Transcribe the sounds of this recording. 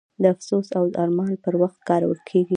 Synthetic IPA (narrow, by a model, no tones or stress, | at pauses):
d̪əafsosawd̪əʔɑɾmɑnpəɾwaxt̪̚kɑɾawə̰lkʰeɡi